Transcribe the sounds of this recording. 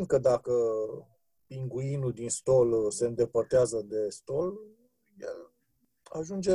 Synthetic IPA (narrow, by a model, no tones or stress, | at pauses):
nd̪̚kəd̪akə | piŋɡuinuld̪inst̪o̞lse̞ɨnd̪e̞pərt̪eazəd̪e̞st̪o̞l | jḛl | aʒund͡ʒe